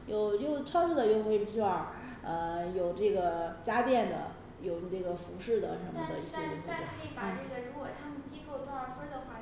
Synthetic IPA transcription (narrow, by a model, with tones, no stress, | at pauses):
jo˨˩ʊt͡ɕjo˥˧ʊʈ͡ʂʰɑ˥˧fu˥˩d̪ə˨jo˥˧ʊxwe˥˩ɪpi˥wwɑ˥˩ŋ | ə˧jo˨˩ʊʈ͡ʂɤ˥˩ɡə˩t͡ɕja˥t̪jɛ˥˩nd̪ə̰˩ | jo˨˩ʊʈ͡ʂɤ˥˩ɡə˩fu˧˥ʂɻ̩˥˩d̪ə̰˩ʂə˧˥nmə˧˩˧d̪ə˧i˥˩ɕjɛ˥li˧˥ŋpu˥˩ʈ͡ʂə̰˨˩kʰə˧˥i˧˥pan̩˩˥˩ʈ͡ʂɤ˥˩ɡə˩ɻu˧˥˧ɡwɔ˨˩t̪ʰa˥mə˨nt͡ɕi˥ko˥˧ʊʈ͡ʂwə˧˥fə˥d̪ə˨xwa˥˩